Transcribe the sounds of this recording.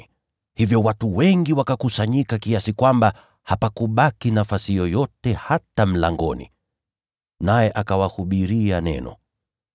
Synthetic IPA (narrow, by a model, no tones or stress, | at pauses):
hivjɔwatuwɛŋɡiwakakusaɲikakiasikwamba | hapakuɓakinafasijɔjɔtɛhatam̩la̰ŋɡɔ̰nḭ | najɛʔakawahuɓiɾianɛ̰nɔ̰